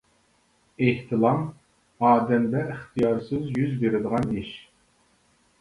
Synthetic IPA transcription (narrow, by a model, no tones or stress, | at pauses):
eht̪ʰɨlˠɑm | ɑːd̪ɛmd̪ɛiχt̪ʰɨjɑɾsɨzjyzbeɾɪd̪əʁɑniʃ